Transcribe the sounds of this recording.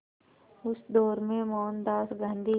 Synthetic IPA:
ʊsd̪ɔːɾmẽmɔːnd̪aːsɡə̃nd̪i

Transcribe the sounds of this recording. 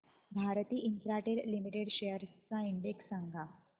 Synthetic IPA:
bʱaɾt̪iːʔint̪ɾaʈeɾlimiʈeɽɕejəɾt͡saiɳɖeksaŋɡʱa

